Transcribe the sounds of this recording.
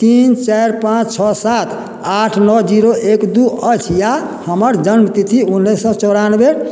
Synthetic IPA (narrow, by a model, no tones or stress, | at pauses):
t̪int͡ʃaɾpãt͡ʃt͡ʃʰɔsat̪ʰ | aʈʰnɔd͡ʒiɾoʔekd̪uət͡ʃʰjahəməɾd͡ʒənmt̪it̪ʰiunːesɔt͡ʃɔɾanbe